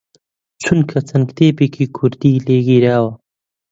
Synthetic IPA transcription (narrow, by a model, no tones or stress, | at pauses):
t͡sʰunkʰɐt͡sɐnkt̪eːpekʰikʰuɾd̪ileɡiɾaːwa